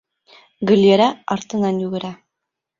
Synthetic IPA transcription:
ɡɘ̆lʲeɾæɑɾt̪ɤ̆nɑnjʉɡɘ̆ɾæ

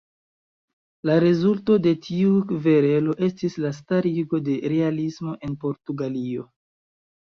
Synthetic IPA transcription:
laɾe̞zulto̞de̞tʰiuve̞ɾe̞lo̞ʔe̞stislastaɾiɡo̞de̞ɾe̞alismo̞ʔe̞npo̞ɾtuɡalio̞

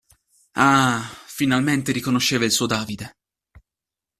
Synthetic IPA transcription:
afinalment̪eɾikonoʃːeːvailsuːod̪aːvid̪e

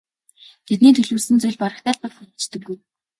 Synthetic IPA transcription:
t̪ʰet̪niːt̪ʰɵɮuːsɘ̆nt͡sʊjɮʲpaɾə̆χt̪æːɮpə̆kxŭt͡ɕt̪ɵ̆ɡːuj

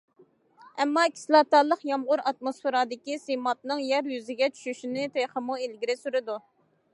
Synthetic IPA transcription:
ɛmːɑkʲʰi̥slˠɑt̪ɑlˠəqjɑmʁʊɾɑt̪mosfeɾɑd̪ɪkʲisemɑt̪̚nɨŋjæɾjyzɪɡʲɛt͡ʃʰy̥ʃyʃinɪt̪ʰeχəmuelɡʲiɾɪsyɾɨd̪u

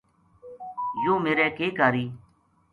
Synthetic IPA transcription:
joːmeːɾɛːkeːkaːɾiː

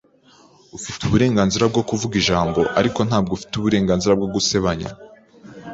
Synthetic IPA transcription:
ufituβuɾe̞ːŋɡaːnziɾab̚ɡo̞kuvuɡiʒaːmbo̞ʔaɾiko̞n̥haːbɡofi̥tuβuɾe̞ːŋɡaːnziɾab̚ɡo̞ɡuse̞βaɲa̰

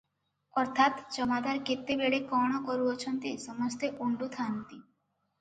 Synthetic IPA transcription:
ɔɾt̪ʰat̪t͡ɕɔmad̪aɾket̪ːebeɽekɔɽ̃ɔkɔɾuot͡ɕʰɔnt̪esɔmɔst̪eʔuɳɖut̪ʰant̪i

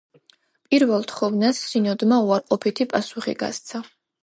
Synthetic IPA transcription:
pʼiɾvɛlˠt̪ʰχɔvnasːinɔd̪mauaɾqʼɔpʰit̪ʰipʼasuχḭɡa̰st̪sʰa

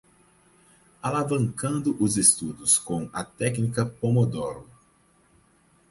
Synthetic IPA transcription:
alavɐ̃ŋkɐ̃nd̪ʊʔʊzest̪ud̪ʊskõɐt̪ɛknikɐpomod̪ɔɾ

